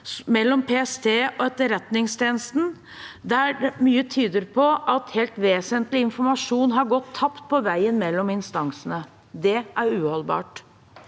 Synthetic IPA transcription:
mɛlːɔmpʰeːɛst̪ʰeːɔɛt̪ːəɾɛt̪nɪŋst̪ʰjeːnəst̪n̩ | d̪æmyːət̪ʰyːd̪əɾpʰɔʔɑt̪heːlt̪ʋeːsənt̪lɪɪnfɔɾmɑʂuːnɦɑɾɡɔt̪ʰːɑpt̪̚pʰɔʋæɪənmɛlːɔmɪnst̪ɑŋsənə | d̪ɛʔæɾʉːhɔlbɑ̰ːʈ

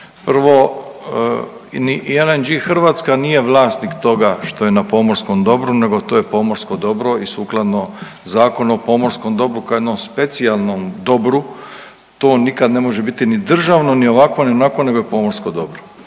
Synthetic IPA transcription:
pr̩ʋo̞ | niʔielend͡ʒixr̩ʋaːt̪skanije̞ʋlˠaːst̪nikt̪o̞ɡaʃt̪o̞je̞napo̞moɾsko̞md̪o̞bɾune̞ɡo̞t̪o̞ːjepo̞moɾsko̞d̪o̞bɾo̞isuːklˠad̪no | zaːko̞nuopo̞mo̞ɾsko̞md̪o̞bɾukajed̪nomspe̞t̪sialˠnomd̪o̞bɾu | t̪o̞ːnikad̪ne̞mo̞ʒe̞bit̪inid̪r̩ʒaʋno̞nio̞ʋakʋo̞nionako̞ne̞ɡojepo̞moɾskod̪o̞bɾo

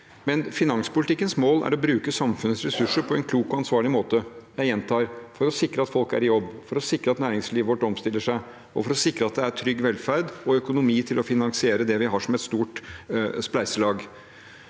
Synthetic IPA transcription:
mɛnfɪnɑŋspʊlɪt̪ɪkːənsmoːlæ̰ɾɔbɾʉːkəsɑmfʉnəsɾɛsʉʂːəɾpʰɔɛnkʰluːkɔɑnsʋɑːɭɪmoːt̪əjæɪjɛnt̪ʰɑːɾfɔɾɔsɪkɾəɑt̪fɔlkæ̰ɾɪjɔbːfɔɾɔsɪkɾəɑt̪næːɾɪŋsliːʋəʋɔʈːɔmst̪ɪlːəʂæɪ | ɔfɔɾɔsɪkɾəɑt̪̚d̪ɛæɾʈʰɾʏɡːʋɛlfæɾd̪ɔœkʊnʊmiːt̪ʰɪlɔfɪnɑŋsɪeːɾəd̪ɛʋɪɦɑːʂɔmɛt̪st̪uːʈsplæɪsəlɑːɡ

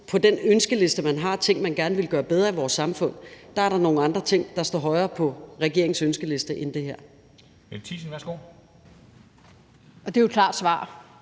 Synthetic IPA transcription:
pʰɒ̽d̥enønsɡ̥əle̝sd̥əmænɦɑ̈t͡sʰe̝ŋ̰mænɡ̥æɐnəʋe̝lɡ̥ɶːɐb̥eð̞ˠʁɐiʋɒːsːɑ̈mfɔ̽n̰d̥ɑ̈æɐ̥ɑ̈no̝ːn̩ɑ̈nd̥ʁɐt͡sʰe̝ŋ̰d̥ɑ̈sd̥ɒ̰ːɦɒ̽ɪɐːpʰɒ̽ʁɛɡ̥e̝ɐe̝ŋsønsɡ̥əle̝sd̥əʔend̥e̝heɐ̰ | elt͡sʰḭsn̩ʋæɐsɡ̥o̝̰ | ɒ̽d̥e̝jokʰlɑ̰̈ːd̥sʋɑ̰̈ː

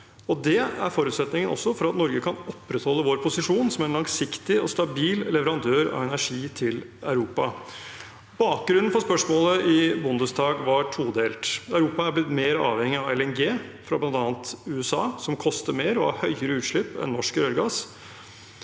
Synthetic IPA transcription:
ɔd̪ɛæ̰ɾfɔɾʉt̪sɛt̪nɪŋənʔɔ̰sːɔfɔɾɑt̪nɔɾɡəkʰɑnɔpːɾət̪hɔlːəʋoːɾpʰʊsɪʂuːnsɔmɛnlɑŋsɪkt̪ɪɔst̪ɑbiːllɛʋəɾɑnd̪ʰøːɾɑ̰ʋɛnæʂiːt̪ʰɪlæ̰ʉɾuːpɑ | bɑːk̚ɡɾʉnːn̩fɔspœʂmoːləʔɪbʊnd̪əsd̪ɑːɡʋɑʈʰuːd̪eːlt̪æʉɾuːpɑæɾblɪt̪meːɾɑ̰ːʋhɛŋːɪɑɛlɛnɡeːfɾɑblɑnd̪ɑːnt̪ʉɛsɑ̰ːsɔmkʰɔst̪əɾmeːɾɔhɑ̰ːɾhœʏəɾəʉːt̪ʂɭɪpːɛ̰nnɔʂkɾøɾɡɑːs

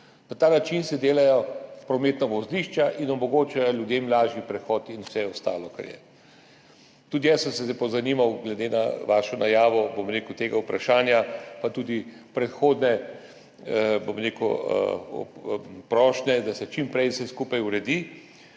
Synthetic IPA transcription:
nat̪aːnat͡ʃinsɛd̪eːlajɔpɾɔmeːt̪nɔʋɔzliʃt͡ʃaʔinɔmɔɡoːt͡ʃajɔlʲjud̪eːmlaːʒipɾɛxɔt̪inwsɛɔst̪a̰ːlɔka̰ɾjɛ̰ | t̪uːd̪ijasəmsɛzɛpɔzanimawɡlɛd̪ena̰ʋaːʃɔnʔajaːʋɔbomɾeːkəwt̪eːɡaupɾaʃaːnjapat̪uːd̪ipɾɛt̪xoːd̪nɛ | bomɾeːkɔ̰ | pɾɔːʃnɛd̪asɛt͡ʃimpɾɛjsɛskuːpajuɾɛd̪i

